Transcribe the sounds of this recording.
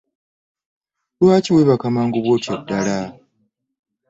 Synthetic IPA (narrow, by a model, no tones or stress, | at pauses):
lwaːciweβakamaːŋɡuβwo̞ːtjadːala